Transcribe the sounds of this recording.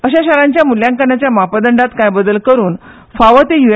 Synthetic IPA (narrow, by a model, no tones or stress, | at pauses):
əɕaɕaɾãɲt͡ɕjamuljãŋkaɳjat͡ɕjamapad̪əɳɖat̪kajbəd̪əlkəɾuːn | faʋət̪ejue